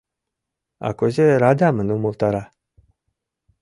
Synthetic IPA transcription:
a̰kozeɾad̪ʲamənumulˠt̪aɾa

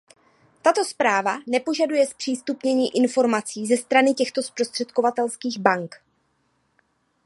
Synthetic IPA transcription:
t̪at̪o̞spɾaːvanɛpo̞ʒadujɛspr̝̥iːst̪upɲɛɲiːʔɪnfo̞ɾmat͡siːzɛst̪ɾanɪcɛxt̪o̞spɾo̞st̪r̥ɛt̪ko̞vat̪ɛlskiːɣbaŋk

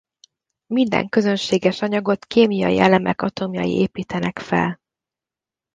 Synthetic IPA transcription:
mind̪ɛ̰ŋkø̞zønʃeːɡɛʃɒɲɒɡo̞t̪keːmijɒ̰jḭɛlɛmɛkɒt̪omjɒ̰jḭʔeːpiːt̪ɛnɛkfɛ̰l

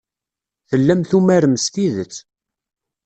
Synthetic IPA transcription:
θəlːæmθumæɾəmst̪iðət͡sː

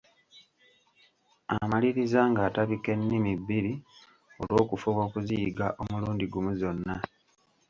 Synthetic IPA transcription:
a̰maliɾizaŋɡaːtaβike̞nːimibːiɾi | o̞̰lwo̞ːkufuβo̞ːkuziːɡaʔo̞muluːndiɡumuzo̞nːa

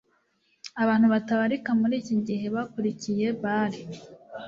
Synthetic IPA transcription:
aβaːn̥huβataβaɾikamuɾiːciɲɟiɦe̞βakuɾicije̞βaɾi

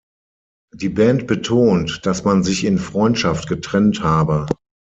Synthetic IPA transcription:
d̥iːbɛːnt̚b̥ətʰoːntd̥asmanzɪçɪnfʁ̥ɔʏntʃaftɡ̥ətʁ̥ɛnthaːbə

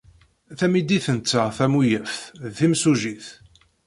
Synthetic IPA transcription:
θæmid̪iθənt͡sːaθæmujəfðθimsuʒiθ

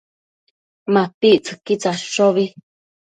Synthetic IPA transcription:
mãpiʔt͡sɨ̥kit͡saʃoβi

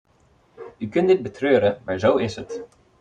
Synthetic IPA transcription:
ykɵndɪt̚bətʰrøːɾəmaɹzowɪsət

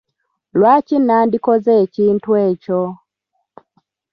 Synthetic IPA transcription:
lwat͡ʃinandikɔzɛt͡ʃintwɛt͡ʃɔ

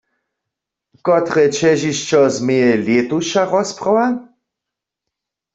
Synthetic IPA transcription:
kɔt̪ʁɛt͡ʃɛʒiʃt͡ʃɔzmejɛljet̪uʃaʁɔsprɔwa

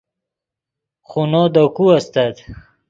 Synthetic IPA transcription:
χunod̪okuast̪at̪

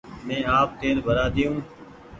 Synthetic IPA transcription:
mẽːaːp̚t̪eːɾbʱəɾaːd̪ijũː

